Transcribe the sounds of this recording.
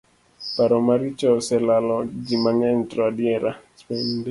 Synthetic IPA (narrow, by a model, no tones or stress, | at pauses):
paɾɔmaɾit͡ʃɔsɛlalɔd͡ʒimaŋɛntɾadiɛɾaspɛnde